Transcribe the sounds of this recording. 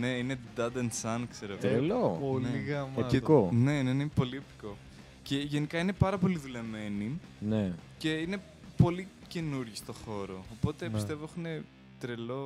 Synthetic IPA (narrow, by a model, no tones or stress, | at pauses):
ne̞ine̞d̪ɐd̪ensɐnkseɾeelopolneiɣɐmekone̞nenepo̞liept̪i̥ko̞ | ce̞ʝe̞nikɐine̞pɐɾɐpo̞liðule̞me̞ni | nece̞ine̞ | po̞li | ce̞nuɾʝist̪o̞xo̞ɾo̞ːpo̞t̪e̞pist̪e̞voexuine | t̪ɾelo̞